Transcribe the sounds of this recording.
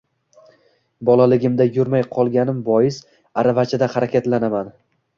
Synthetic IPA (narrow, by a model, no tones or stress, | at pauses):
bɒlˠalɪɡʲɪmd̪ajʊɾmajqʰɒlˠɡʲanɪmbɒjɪs | aɾavat͡ʃʰad̪ahaɾakʲat̪lanaman